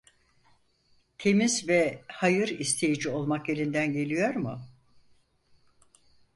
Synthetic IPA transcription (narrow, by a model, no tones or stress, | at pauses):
t̪ʰe̞mizvɛhajɯɾist̪ʰe̞jid͡ʒio̞lˠmakje̞ɾʲind̪ænɟe̞lʲijo̞ɾmʊ